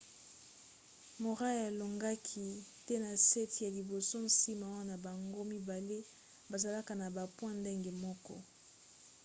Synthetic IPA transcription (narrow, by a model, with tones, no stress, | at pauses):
mo˨ʁa˦ja˨lo˨ŋɡa˦kʰi˦te˦na˨sɛ˦ti˨ja˨li˨bo˨so˦n̩˦si˦ma˨˦a˦na˨ba˨ŋɡo˦mi˦ba˨le˦ | ba˨za˨la˦ka˨na˨ba˨pwã˦nde˦ŋɡe˨mɔ˦kɔ˦